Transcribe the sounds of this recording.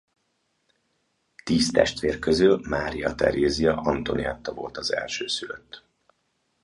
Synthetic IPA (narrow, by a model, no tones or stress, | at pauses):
t̪iːst̪ɛʃt̪ʋeːrkøzylmaːɾijɒt̪ɛ̰ɾeːzijɒʔɒnt̪o̞niɛt̪ːɒvo̞lt̪ɒzɛlʃøːsyløt̪ː